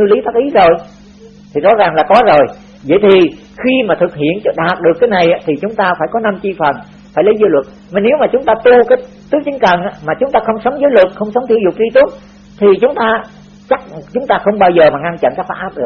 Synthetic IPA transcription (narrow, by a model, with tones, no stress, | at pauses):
nɨ˧li˨˦faː˦˥k̚ʔi˨˦zo˨˩j | t̪ʰi˨˩zɔ̰˨˥zaː˨˩ŋlaː˨˩kɔ˨˦zo˨˩j | və̰˧˨jt̪ʰi˨˩ | xi˧maː˨˩t̪ʰɨ˨˩k̚hḭ˧˨ənt͡ɕɔ˧ɗaː˨˩t̚ɗɨ˨˩əkːaː˨˦jna˨˩jʔaː˧˥t̪ʰi˨˩t͡ɕʊ˨˦ŋ͡mt̪aː˧faː˧˩jkɔ˨˦na˧mt͡ɕi˧fə˨˩n | faː˧˩jlə˨˦jzəː˨˦jlwə˨˩t̚ | ma˨˩ne˨˦wmaː˨˩t͡ɕʊ˨˦ŋ͡mt̪aː˧t̪u˧kaː˨˦j | t̪ɨ˦˥k̚t͡ɕï˨˦ŋ̟kə˨˩nʔaː˧˥maː˨˩t͡ɕʊ˨˦ŋ͡mt̪aː˧xə˧wŋ͡msə˨˦wŋ͡mzəː˨˦jlwə˨˩t̚xə˧wŋ͡msə˨˦wŋ͡mt̪ʰi˧əwzʊ˨˩k͡p̚zi˧t̪u˦˥ət̚ | t̪ʰi˨˩t͡ɕʊ˨˦ŋ͡mt̪aː˧ | t͡ɕa˦˥k̚t͡ɕʊ˨˦ŋ͡mt̪aː˧xə˧wŋ͡mɓaː˧wzəː˨˩maː˨˩ŋa˧nt͡ɕə̰˧˨nkaː˦˥k̚faː˦˥ʔaː˦˥p̚ɗɨ˨˩ə